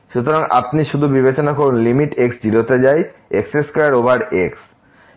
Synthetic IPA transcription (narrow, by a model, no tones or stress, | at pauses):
ʃut̪oɾaŋa̰pniʃud̪ʱubibet͡ɕonakoɾunlimiʈeksd͡ʑilot̪ed͡ʑajekseskɔɾaɾobʱaɾeks